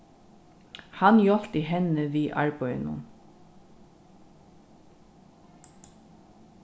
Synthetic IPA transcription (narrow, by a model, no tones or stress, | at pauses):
hanjɔl̥t̪iɦɛnəʋiːʔa̰ɹpɔj̰nʊ̰n